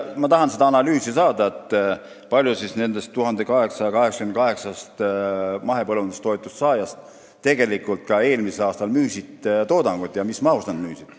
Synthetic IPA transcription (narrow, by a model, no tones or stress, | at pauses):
mɑt̪ɑɦɑnse̞d̪̥ɑɑnɑlyːsisɑːd̪ɑet̪ːˑ | pɑlʲjusisne̞nd̪e̞st̪ːuɦɑnd̪ekɑɦe̞ksɑjɑkɑɦe̞ksɑ̥kymn̚kɑɦe̞ksɑst̪mɑɦe̞pɤlund̪est̪ːo̞jt̪ːˑust̪sɑːjɑst̪ | t̪e̞ɡe̞likˑult̪̚kɑe̞ːlmiselɑːst̪ɑlmyːsit̪t̪o̞ːd̪ɑŋɡ̥ut̪jɑmismɑust̪ɑnd̪myːsid̪̥